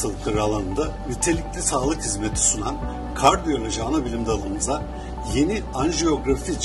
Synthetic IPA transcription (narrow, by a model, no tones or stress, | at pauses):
alˠɯklˠaɾɯalˠanɯnd̪anyt̪ʰe̞lʲiclʲisaːlˠɯkhizmet̪ʰi̥sunan | kʰaɾd̪ijoɾʲaʒaːnabilʲimd̪alˠɯmɯza | je̞ni | anʒeo̞ɡɾafit͡ʃ